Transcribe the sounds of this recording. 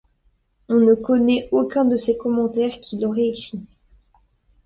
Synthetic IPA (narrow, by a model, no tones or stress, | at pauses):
ɔ̃nəkɔnɛokʲɛ̃d̪əsekɔmɑ̃t̪ɛʁkʲʰilɔʁɛekχi